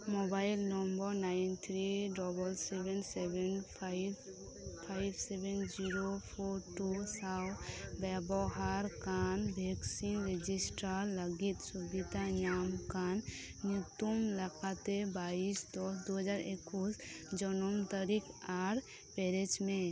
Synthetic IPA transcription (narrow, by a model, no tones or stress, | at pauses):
mobajlnɔmbɔɾnajnt̪ʰɾiɖɔbɔlsebɛnsɛbɛnpʰjb | pʰajbsebɛnd͡ʒiɾopʰɔɾʈusawbɛbɔɦaɾkanbʱɛksinɾed͡ʒisʈaɾːəɡit̪subid̪aɲamkan | nut̪umlakat̪ebaisd̪ɔsd̪uɦəd͡ʒaɾekusd͡ʒɔnɔmt̪aɾikaɾ | pɛɾed͡ʒme